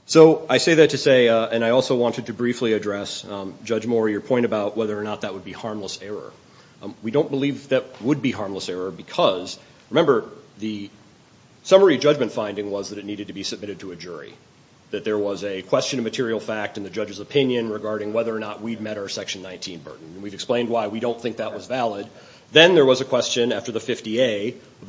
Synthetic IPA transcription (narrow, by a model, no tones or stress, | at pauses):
soʊaɪseɪðɨtʰɨseɪɨ̃naɪɔlˠsoʊwɑ̃ntɨd̚tʰɨbɹifliɨdɹɛsd͡ʒʌd͡ʒmɔɹjə˞pʰɔ̃ɪ̃ɾ̃ɨbaʊt̚wɛðə˞ːnət̪̚ðɨt̚wəd̚bihɑɹmləsɛɹə̰˞ | widõʊ̃nb̥əlivðɨt̚wəd̚biɦɑɹmləsɛɹə˞bɨkʰʌz | ɹɨmɛ̃mbə˞ðɨ | sʌmə˞id͡ʒʌd͡ʒmɨ̃ntfãɪ̃ndɪ̃ŋwʌzðɨɾɨtⁿniɾɨd̚tʰɨbisɨb̚mɪɾɨd̚tʰəɨd͡ʒʊɹḭ | ðɨt̪̚ðə˞wʌzɨkʰw̥ɛst͡ʃɨ̃nʌvmɨtʰɪɹil̩ˠfæk̚tɨ̃nðɨd͡ʒʌd͡ʒɨzəpʰɪ̃njɨ̃nɹɨɡɑɹɾɪ̃ŋwɛðə˞ːnət̚wid̚mɛɾaə˞sɛkʃn̩ːãɪ̃ntʰĩnbɜ̰˞ʔn̩wivɨksplẽɪ̃nd̚waɪwiɾõʊ̃nθɪ̃ŋk̚ðət̚wʌzvælˠəd̪̚ | ðɨ̃nðə˞wʌzɨkʰw̥ɛst͡ʃɨ̃næftə˞ðɨfɪftieɪ